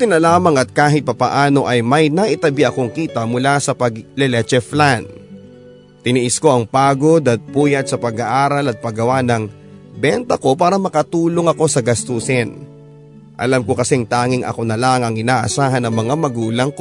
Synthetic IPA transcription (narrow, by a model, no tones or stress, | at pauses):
t̪ɪnɐlaːmɐŋɐt̪̚kaːɦɪt̪̚pɐpɐʔaːno̞ʔɐjmɐjnaʔɪt̪ɐbɪʔɐko̞ŋkiːt̪ɐmʊlasɐpɐɡlɛlɛt͡ʃɛflan | t̪ɪniʔɪsko̞ʔɐŋpaːɡod̪ɐt̪̚puːjɐt̪̚sɐpɐɡaʔaːɾɐlɐt̪̚pɐɡɐwanɐŋ | bɛnt̪ɐko̞paːɾɐmɐkɐt̪uːlo̞ŋɐko̞sɐɡɐst̪usɛn | ʔɐ̰lamko̞kɐsɛŋt̪aːŋɪŋʔɐ̰ko̞nɐlaŋɐŋɪnaːʔɐ̰saːɦɐnːɐŋmɐŋamɐɡuːlɐŋko